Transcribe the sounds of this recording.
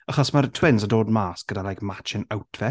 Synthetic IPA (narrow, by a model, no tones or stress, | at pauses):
aχɔsmaɾtʰwɪnsədoːdmaːsɡ̥ədalajkmat͡ʃɪnawtʰvɛ